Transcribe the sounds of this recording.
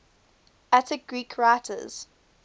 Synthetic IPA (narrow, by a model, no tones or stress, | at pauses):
ætəɡ̥ɹiːkʰɹaɪtʰə̰z̥